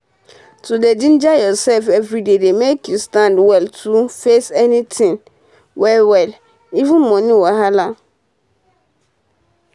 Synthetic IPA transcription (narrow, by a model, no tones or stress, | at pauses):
todedĩnd͡ʒajɔsɛlfɛvɹidedemekjustãndwɛltʰufesɛnitʰĩn | wɛwɛl | ivũnmɔ̃nĩwɔɦala